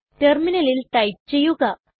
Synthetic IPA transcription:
ʈerminɐlilʈɐjp̚t͡ɕe̞jːuɣɐ

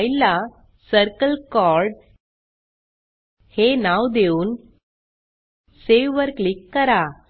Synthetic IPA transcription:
jla | səɾkəlkɔɾɖ | henawd̪euːn | seʋəɾklikːəɾa

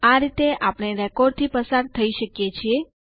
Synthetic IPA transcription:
aɾit̪eʔapɽ̃eɾɛkɔɖ̚t̪ʰipəsaɾt̪ʰəiʃəkjet͡ʃʰie

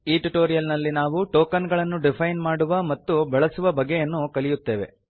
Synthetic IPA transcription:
iːʈuʈoːɾijɐlnɐlːinaːʋuʈoːkɐnɡɐɭɐnːuɖipʰɐjnmaːɽuʋɐmɐt̪ːubɛɭɐsuʋɐbɐɡːejɐnːukɐlijut̪ːe̞ːʋe̞̰

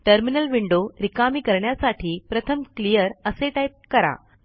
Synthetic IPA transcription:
ʈəɾminəlʋiɳɖoɾikamiːkəɾɳjasaʈʰiːpɾət̪ʰəmklijəɾəseʈajp̚kəɾa̰

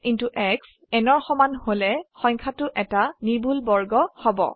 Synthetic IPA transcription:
kintuʔɛks | ɛnɔɹxɔmanholɛxɔ̃jɲkʰatʊʔɛtanibʱulbɔɹɡɔhɔbɔ̰

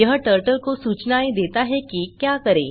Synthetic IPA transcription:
jəɦəʈəɾʈəlkosuːt͡ɕnaid̪et̪aɦekiːkjakəɾḛ

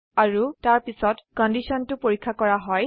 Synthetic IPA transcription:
aɹutaɹpisɔtkɔndisɔntʊpoɹikʰːakɔɹaɦɔj

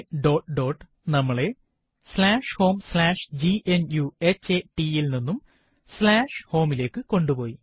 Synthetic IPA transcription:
ɖo̞ːʈɖo̞ːʈ | nɐmːɐɭe̞ | slaːʂho̞ːmslaːʂd͡ʑiʔenjue̞t͡ɕːeʈiilninːum | slaːʂho̞ːmile̞ːkːɨko̞ɳɖupo̞ːji

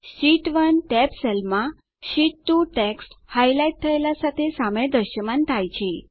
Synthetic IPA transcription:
ɕiʈʋənʈɛpsɛlma | ɕiʈːuʈɛksʈhajlajiʈ̚t̪ʰəjljasat̪ʰesamẽd̪əɾɕəmãnt̪ʰajt͡ɕi

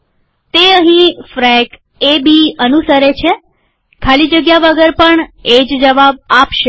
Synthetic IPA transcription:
t̪eəɦĩfɾɛk | ebiənusəɾet͡ʃʰe | kʰalid͡ʒəɡjaʋəɡəɾpəɳed͡ʒd͡ʒəʋab̚apʃe

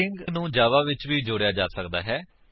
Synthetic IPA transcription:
ɪŋɡnũːd͡ʒaːʋaːʋɪt͡ʃʋiːd͡ʒoːɽjaːd͡ʒaːsəkd̪a̰ːɦɛː

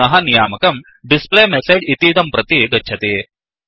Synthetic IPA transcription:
ɐɦɐnijaːmɐkɐm | ɖisplemesed͡ʒit̪iːt̪ɐmpɾɐt̪id̪ɐtːɕʰɐt̪i

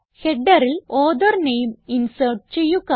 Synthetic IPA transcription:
heɖːɐɾiloːd̪ɐrnejminsɐrʈ̚t͡ɕejːukːɐ

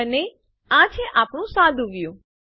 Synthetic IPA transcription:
əne | ãt͡ʃʰeʔapɳ̃ũsãd̪ʱuɡjũ

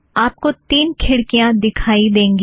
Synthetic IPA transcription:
aːp̚kot̪iːnkʰɪɽkijãd̪ɪkʰaːid̪ẽːŋɡ

